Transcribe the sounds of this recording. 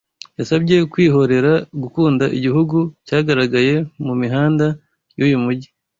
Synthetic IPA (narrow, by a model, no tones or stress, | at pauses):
jasabɟe̞kwiːɦo̞ɾe̞ɾaɡukuːndaʔiɟiɦuɡucaːɡaɾaɡaje̞mumiɦaːnda | jujumuɟi